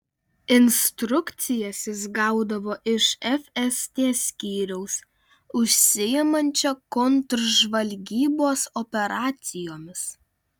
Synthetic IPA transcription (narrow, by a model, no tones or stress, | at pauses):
ɪnʲst̪ɾʊkt̪sʲɪjɛsʲɪzɡɑˑʊd̪ɐʋoːʔɪʃɛfʲɛst̪ʲeːsʲkʲiːɾʲɛʊs | ʊʃʲsʲɪɪmɐnʲt͡ʃʲɛkɔnt̪ɾʒʋɐlʲɡʲiːboːsɔpʲɛɾɑːt̪sʲɪjoːmʲɪs